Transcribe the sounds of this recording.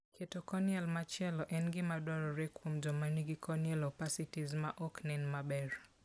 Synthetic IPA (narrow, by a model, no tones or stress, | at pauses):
kʰɛtɔkɔnialmat͡ʃɛlɔʔɛnɡimaɗɔɾɔɾɛkwɔmd͡ʒɔmaniɡikʰɔniɛlɔpasitizmaʔɔknɛnmaɓɛɾ